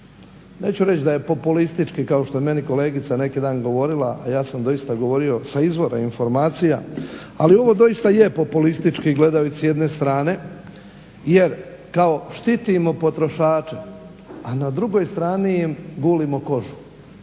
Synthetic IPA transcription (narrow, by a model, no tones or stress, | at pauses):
ne̞ːt͡ɕuɾe̞t͡ɕd̪aje̞po̞pulist̪it͡ʃkikao̞ʃt̪o̞jeme̞niko̞le̞ːɡit̪sane̞kid̪aːnɡo̞ʋo̞ɾilaʔajaːsamd̪o̞ist̪aɡo̞ʋo̞ɾio̞saizʋo̞ɾa̰info̞ɾmaːt̪sija̰ | alio̞ʋo̞d̪o̞jist̪ajepo̞pulist̪it͡ʃkiɡle̞d̪aut̪sijed̪ne̞st̪ɾaːne̞ | je̞ɾ | kao̞ʃt̪it̪imo̞po̞t̪ɾo̞ʃaːt͡ʃe | anad̪ɾuɡo̞jst̪ɾaːnijimɡuːlimo̞ko̞ʒu̥